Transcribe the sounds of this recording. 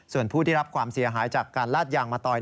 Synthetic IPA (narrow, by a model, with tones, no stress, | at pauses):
su˨˩ənpʰuː˥˩t̪ʰiː˥˩ɾa˦˥p̚kʰwaː˧msi˨˩˦ɐɦaː˩˦jt͡ɕaː˨˩kːaː˧nlaː˥˩t̪̚jaː˧ŋmaː˧t̪ɔː˧j